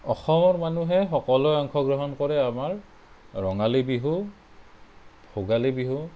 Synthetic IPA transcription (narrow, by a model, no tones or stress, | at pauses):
ɔxɔmɔɹmanuɦɛxɔkɔlɔɔŋkʰɔɡɹɔɦɔnkɔɹɛamaɹː | ɔŋalibiɦu | bʰʱoɡalibiɦu